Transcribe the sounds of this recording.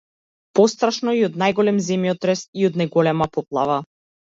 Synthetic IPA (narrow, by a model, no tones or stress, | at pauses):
pɔst̪ɾaʃnɔiɔd̪najɡɔlɛmzɛmjɔt̪ɾɛst̪iɔd̪najɡɔlɛmapɔplˠava